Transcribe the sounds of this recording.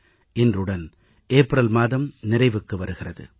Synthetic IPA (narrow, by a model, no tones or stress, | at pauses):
ʔɛndrɯɽɐn | ʔeːpːɾɐlmaːðɐmnɪrɐɪʋɯkːɯʋɐɾɯɣɪrɐðɯ̰